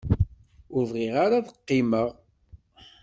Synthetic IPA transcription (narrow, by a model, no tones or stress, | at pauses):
ʊɾvʁiʁaɾaðəqːɪməʁ